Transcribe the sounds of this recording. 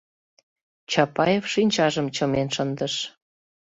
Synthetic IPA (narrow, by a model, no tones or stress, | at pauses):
t͡ɕɑpɑjefʃinʲt͡ɕɑʒəmt͡ɕəmenʃənd̪əʃ